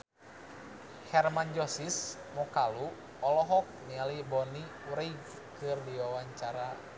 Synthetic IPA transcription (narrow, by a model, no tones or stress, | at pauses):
hɛrmand͡ʒɔsismɔkalu | ɔlɔɦɔk̚nialibɔni | wɾeɡ | kɨrdiwawaɲt͡ʃaɾa